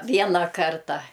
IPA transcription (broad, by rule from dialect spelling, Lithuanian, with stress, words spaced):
ˈʋʲiɛnɐ ˈkɐrtɐ